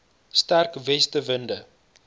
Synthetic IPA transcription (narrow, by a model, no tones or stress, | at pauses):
stærkvɛstəvəndə